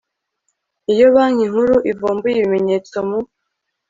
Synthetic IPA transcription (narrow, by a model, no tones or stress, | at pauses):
ijo̞βaːŋiŋhuɾuʔivoːmbujiβime̞ɲe̞ːt͡so̞mu